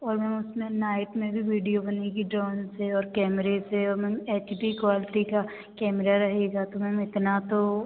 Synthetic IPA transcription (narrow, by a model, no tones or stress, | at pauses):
ɔːɾmɛ̃ːmʊsmẽnaːɪʈmẽbʱiʋiːɖijobɐneɡiɖɾɔːnseɔːɾkɛːmɾeseɔːɾmɛ̃ːmeːt͡ʃbikʋaːlɪʈika | kɛːmɾaɾɐɦeɡat̪omɛ̃ːmɪt̪nat̪o